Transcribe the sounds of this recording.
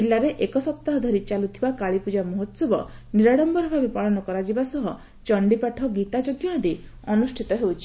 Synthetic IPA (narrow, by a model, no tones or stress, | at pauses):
d͡ʒilːaɾeʔekɔsɔp̚t̪aɦɔd̪ʱɔɾit͡ʃalut̪ʰibakaɭipud͡ʒamɔɦɔt̪sɔbɔniɾaɽɔmbɔɾɔbʱabepaɭɔnɔkɔɾad͡ʒibasɔɦɔ | t͡ʃɔɳɖipaʈʰɔɡit̪ad͡ʒoɡjand̪i | ɔnusʈʰit̪ɔɦewt͡ʃʰi̥